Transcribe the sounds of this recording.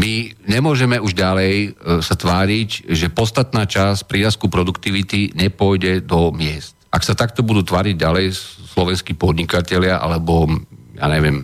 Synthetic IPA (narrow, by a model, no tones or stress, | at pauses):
miɲɛmʊɔʒɛmɛuʒɟalɛjsat̪ʋaːɾiɟʒɛpɔt̪st̪at̪naːt͡ʃaspɾiaskupɾɔd̪ukt̪iʋit̪iɲɛpʊɔjɟɛd̪ɔmɪɛst̪aksat̪akt̪ɔbud̪uːt̪ʋaːɾiɟ̚ɟalɛjslɔʋɛnskiːpɔd̪ɲikacɛlɪaʔa̰lɛbɔja̰ːɲɛʋɪɛm